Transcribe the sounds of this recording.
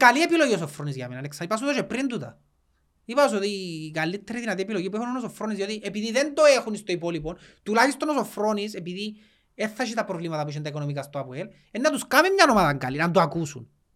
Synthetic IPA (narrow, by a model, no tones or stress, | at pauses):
kaliepilo̞jʝiosofɾonizʝɐ̰menɐneksɐipɐs̬uðoʃepɾind̪ut̪ɐ̰ | ipɐos̬ot̪ikalːit̪ːeɾiðinɐt̪iepiloʝip̬ueunonos̬ofɾonizðio̞t̪iʔepiðiðend̪oexunist̪oipo̞lipont̪ulaçist̪onoso̞fɾo̞nisepiði | eθːɐʃ̬it̪ɐpɾovlimɐt̪ɐp̬uiʃint̪ɐiko̞nomikast̪oɐpuel | enːɐt̪uskamimɲɐno̞maðɐŋɡalinɐnd̪uakusṵn